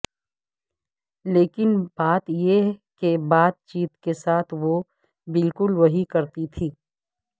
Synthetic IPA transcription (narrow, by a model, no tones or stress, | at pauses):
leːkɪnbaːt̪jekebaːt̪̚t͡ʃiːt̪kesaːt̪ʰʋo | bɪlkʊlʋɐɦikɐɾt̪it̪ʰiː